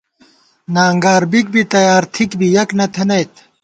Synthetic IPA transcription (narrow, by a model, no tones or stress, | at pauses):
naːŋɡaːɾbik̚bit̪ɐjaːɾt̪ʰikbijɐknɐt̪ʰenɐjt̪